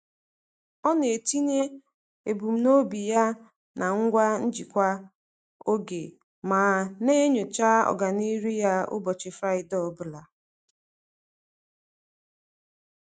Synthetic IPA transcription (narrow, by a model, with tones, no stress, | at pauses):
ɔ˦ne˨ti˦ɲe˦ | e˨bu˨m̩˦no˦bi˨ja˦ | na˨ŋ̩˦ɡʷa˦n̩˦d͡ʒi˨kʷa˦ | o˦ɡe˨ | maː˨ne˦ɲo˨t͡ʃa˦ɔ̰˨ɡa˨ni˦ɾi˦ja˦ʊ̰˦bɔ˨t͡ʃɪ˨fɾa˦ɪ˨dɔ˦˨bʊ˦la˨